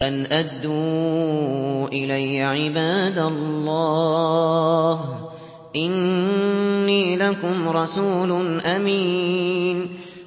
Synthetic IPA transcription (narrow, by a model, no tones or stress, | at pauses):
ʔanʔad̪ːuː | ʔɪlajʕɪbaːd̪alˤːɑː | h | ʔɪnː | iːlakʊmɾˤɑsuːlʊnʔamiːn